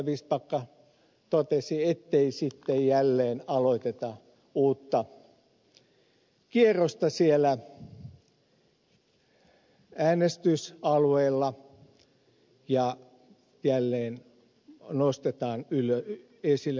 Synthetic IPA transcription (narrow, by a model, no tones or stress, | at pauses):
ʋiːspɑkːɑ | t̪ot̪esiet̪ːeisit̪ːejjælːeːnɑloit̪et̪ɑ | uːt̪ːɑ | kierost̪ɑsielæ | æːnest̪ysɑluelːɑ | jɑ | jælːeːn | nost̪et̪ɑːnylø | esilː